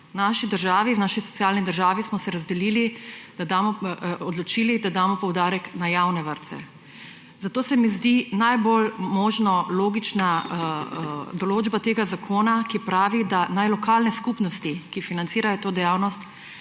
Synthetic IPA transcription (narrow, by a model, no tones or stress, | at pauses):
naʃid̪əɾʒaːʋiwnaːʃisɔ̥tsjaːlnid̪əɾʒaːʋismɔsɛɾazd̪ɛliːlid̪̥ad̪aːmɔɔd̪lɔt͡ʃiːlid̪ad̪aːmɔpɔwd̪aːɾɛknajawnɛʋəɾt̪sɛ̰ | zat̪oːsɛmizd̪inajbolmoːʒnɔloːɡit͡ʃna | d̪ɔloːd͡ʒbat̪eːɡazakʰoːnakipɾaːʋid̪anajlɔkaːlnɛskupnɔst̪ikifinant̪siːɾajɔt̪oːd̪ɛjawnɔst̪